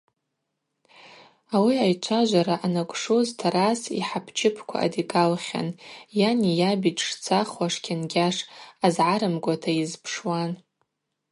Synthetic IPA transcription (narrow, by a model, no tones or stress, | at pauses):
awiajt͡ʃʷʰaʒʷaɾaʔanakʷʼʂoztʰaɾasḭħapʰt͡ʃʰɪpʰkʷʰa̰ːdikʼalχʲa̰njanijabitʰʼʂt͡sʰaχwaʂkʲʰanɡʲaʂazʕaɾɨmɡʷatʰaizpʰʂwan